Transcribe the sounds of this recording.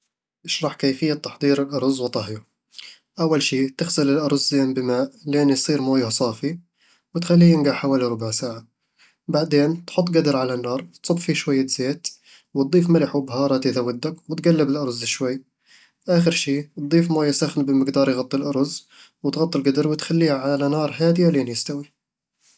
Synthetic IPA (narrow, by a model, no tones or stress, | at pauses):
ʔɪʃɾˤɑħkeːfɪjːat̪ːɑ̥ħd̪ˤiːɾɪlʔɑɾˤzwt̪ˤɑɦja | ʔawːalʃiːt̪ɪxsalɪlʔɑɾˤzːeːmbɪmaːʔlʔɪnjsˤiːɾmoːjhsˤɑːfi | wɪt̪xalːiːjɪnɡaʕħawaːliɾˤʊbaʕsaːʕa | baʕd̪eːnt̪ħʊt̪ˤːɡad̪ɾˤʕalanːɑːɾˤt̪sˤʊbffiʃwajːaz̥eːt̪ | wɪt̪̚d̪ˤiːfmɪlɪħwɪbɦɑːɾˤɑt̪iðawːɪd̪ːakwɪt̪ɡalːɪbɪlʔɑɾˤzɪʃwajː | ʔaːxɪɾʃiːt̪̚d̪ˤiːfmoːjasaxnbɪmɪɡd̪ɑːɾˤjɣɑt̪ˤːilʔɑɾˤz | wɪt̪ɣɑt̪ˤːɪlɡad̪ɾwɪt̪xalːiːhaʕalanɑːɾˤɦaːd̪ɪjaleːnjɪst̪awi